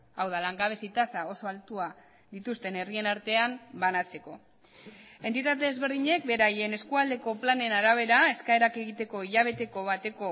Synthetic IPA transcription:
awðalaŋɡaβ̞e̞sit̪asao̞so̞alt̪ua | ðit̪ust̪e̞ne̞rie̞naɾt̪e̞ambanat͡se̞ko̞ | e̞nt̪it̪at̪e̞ezβe̞ɾðiɲe̞k̚be̞ɾaje̞ne̞skuald̪e̞ko̞plane̞naɾaβ̞e̞ɾae̞skae̞ɾake̞ɣit̪e̞ko̞iʎaβe̞t̪e̞ko̞β̞at̪e̞ko̞

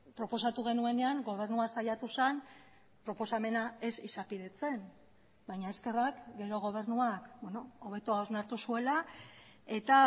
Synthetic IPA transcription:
pɾo̞po̞sat̪uɣ̞e̞nue̞ne̞aŋɡo̞β̞e̞ɾnuasajat̪usan | pɾo̞po̞same̞nae̞sisapiðe̞t͡se̞m | bajɲae̞ske̞rakɡe̞ɾo̞ɣ̞o̞β̞e̞ɾnuakbeno̞oβ̞e̞t̪oaoznaɾt̪usue̞la | e̞t̪a

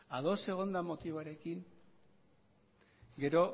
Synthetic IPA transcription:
aðo̞se̞ɣ̞o̞nd̪amo̞t̪iβaɾe̞kiŋ | ɡe̞ɾo̞

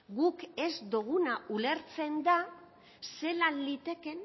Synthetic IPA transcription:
ɡuke̞zd̪uɣ̞unaʔule̞ɾt͡se̞nd̪a | se̞lanlit̪e̞ke̞

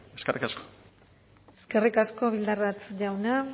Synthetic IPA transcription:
eskerikasko̥ | eske̞rikasko̞βild̪arβat̪ʝawna

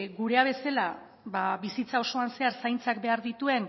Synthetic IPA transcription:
ɡuɾe̞aβ̞e̞sela | baβisit͡sao̞so̞anse̞aɾsajnt͡sakbe̞aɾðit̪ue̞n

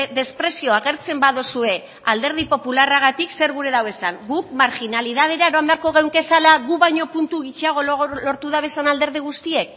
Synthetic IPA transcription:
ðe̞spɾe̞sio̞aɣe̞ɾt͡se̞mbaðosue̞ | ald̪e̞ɾð̞ipo̞pularaɣat̪ikse̞ɾɣuɾe̞ðawe̞saŋɡuk̚maɾxinaliðað̞e̞ɾaeɾo̞ambe̞aɾko̞ɣ̞ewŋke̞salaɣuβajɲo̞punt̪uɣit͡ʃiaɣ̞o̞lo̞ɾt̪uð̞aβe̞sanald̪e̞ɾðiɣ̞ust̪ie̞k̚

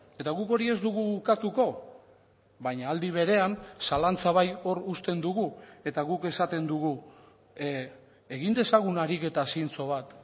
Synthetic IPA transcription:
e̞t̪aɣuko̞ɾie̞zd̪uɣuːɾkat̪uko̞ | βajɲaːld̪iβ̞e̞ɾe̞ansalant͡saβajo̞rust̪e̞nd̪uɣue̞t̪aɣuke̞sat̪e̞nd̪uɣu | e̞ɣind̪e̞saɣ̞unaɾike̞t̪asint͡so̞β̞at̪

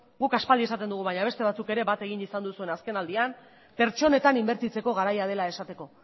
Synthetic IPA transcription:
ɡukaspalie̞sat̪end̪uɣuβajɲaβet̪e̞β̞at͡suke̞ɾe̞βat̪e̞ɣinisand̪usue̞naske̞nald̪iam | pe̞ɾt͡ʃo̞ne̞t̪animbe̞ɾt̪it͡se̞ko̞ɣ̞aɾajað̞e̞lae̞sat̪e̞ko̞

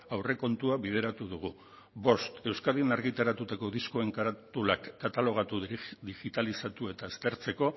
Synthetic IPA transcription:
awre̞ko̞nt̪uaβið̞e̞ɾat̪uð̞uɣ̞u | βo̞st̪e̞wskaðinaɾɣit̪aɾat̪ut̪ako̞ðisko̞e̞ŋkaɾat̪ulakːat̪alo̞ɣ̞at̪ud̪iɣit̪alisat̪ue̞t̪aest̪e̞ɾt͡se̞ko̞

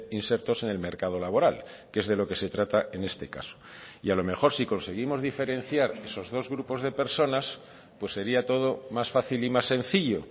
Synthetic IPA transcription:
inse̞ɾt̪o̞se̞ne̞lme̞ɾkað̞o̞laβo̞ɾal | ke̞zðe̞lo̞ke̞se̞t̪ɾat̪aʔe̞ne̞st̪e̞ka̰so̥ | ialo̞me̞xo̞ɾsiko̞nse̞ɣ̞imo̞zðife̞ɾẽ̞nθjaɾe̞so̞zðo̞zɣɾupo̞zð̞e̞pe̞ɾso̞nas | pwe̞sːe̞ɾiat̪o̞ð̞o̞masfaθilimasːe̞n̟θiʎo

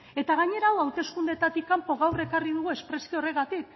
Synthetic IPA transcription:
e̞t̪aɣ̞aɲe̞ɾawawt̪e̞skund̪et̪at̪ikːampo̞ɣawre̞kariðuɣue̞spɾe̞siore̞ɣat̪ik̚

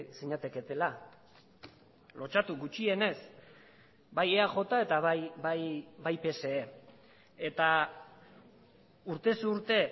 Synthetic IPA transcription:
siɲat̪eke̞t̪e̞la | lo̞t͡ʃat̪uɡut͡ʃie̞ne̞s | baje̞aʝo̞t̪ae̞t̪aβajbajbajpe̞se̞e | et̪a | uɾt̪e̞suuɾt̪e̞

